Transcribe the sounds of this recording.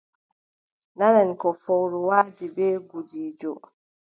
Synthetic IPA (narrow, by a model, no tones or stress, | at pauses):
nanɛnkɔfɔwɾuwaːd͡ʒibɛːɡudiːd͡ʒɔ